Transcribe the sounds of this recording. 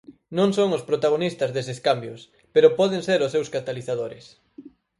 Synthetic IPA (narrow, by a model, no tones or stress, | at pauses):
nõŋsoŋʊspɾot̪aɣ̞onist̪ɐzðeseskambjʊs | peɾʊpɔðeŋseɾʊsːewskat̪aliθaðoɾɪ̰s